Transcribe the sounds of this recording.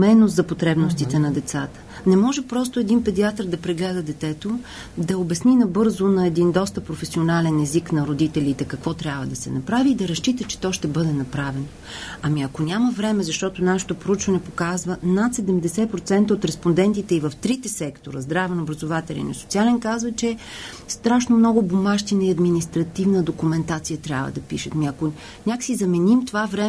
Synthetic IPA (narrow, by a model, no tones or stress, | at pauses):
mɛnozɐpot̪ɾɛbnost̪it̪ɛnɐd̪ɛt̪sat̪ə̥ | nɛmɔʒɛpɾɔs̬t̪oɛd̪inpɛd̪iat̪əɾd̪ɐpɾɛɡlɛd̪əd̪ɛt̪ɛt̪o | d̪ɐobɛsninɐbɤɾzonɐɛd̪ind̪ɔst̪əpɾofɛsionalɛnɛziknɐɾod̪it̪ɛlit̪ɛkɐkvɔt̪ɾʲjabvəd̪ɐsɛ̰nɐpɾaviːd̪ɐɾɐʃt͡ʃit̪ət͡ʃɛ̥t̪ɔʃt̪ɛbɤd̪ɛnɐpɾavɛno | ɐmiɐkonʲaməvɾɛmɛzɐʃt̪ɔt̪onaʃɛ̥t̪opɾout͡ʃvɐnɛpokazvənat̪sɛd̪ɛmd̪ɛsɛpɾot̪sɛnt̪əot̪ɾɛspond̪ɛnt̪it̪ɛivəft̪ɾit̪ɛsɛkt̪oɾəzd̪ɾavɛnobɾɐzovat̪ɛlʲḭnoso̥t̪sialɛnkazvət͡ʃɛ | st̪ɾaʃnomnɔɡʊbomaʃt̪inɐiɐd̪minist̪ɾɐt̪ivnəd̪okumɛnt̪at̪sijət̪ɾʲjabvə̰d̪ɐpiʃət̪miɐko | nʲaksizɐmɛnimt̪ovavɾɛ